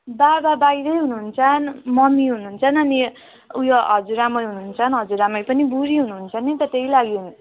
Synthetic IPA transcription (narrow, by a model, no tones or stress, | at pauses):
bababajɾʌjɦunuɦːnt͡sʰʌnmʌmiɦunuːnt͡sʰʌnʌni | ujoɦʌd͡zuɾamʌjɦunuːnt͡sʰʌnɦʌd͡zuɾamʌjpʌnibuɾiɦunuɦːnt͡sʰʌnit̪ʌt̪ejlaɡiuni